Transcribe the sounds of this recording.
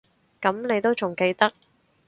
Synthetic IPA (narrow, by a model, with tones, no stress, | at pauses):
kɐ˨˥mne˨˧jt̪o˥wt͡ʃʊ˨˩ŋke˧jt̪ɐ˥k̚